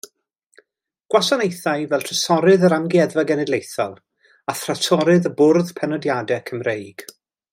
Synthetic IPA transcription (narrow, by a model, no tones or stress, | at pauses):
ɡ̥wasanejθajvɛlˠtʰəsɔɾɨðəɾamɡiɛðvaɡɛnɛdlˠejθɔ̰lˠ | aθratʰɔɾɨðəbʊrðpʰɛnɔdjadɛkʰəmrejɡ̥